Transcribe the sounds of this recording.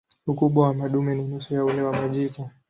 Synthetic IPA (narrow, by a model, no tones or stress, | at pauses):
ukuɓwawamaɗumɛninusujaulɛwamaʄika